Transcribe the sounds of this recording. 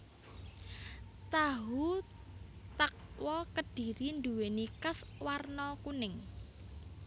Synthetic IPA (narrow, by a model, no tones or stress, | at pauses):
t̪aɦu | t̪ək̚wɔkəd̥i̤ɾind̪uwenikaswarnɔkunɪŋ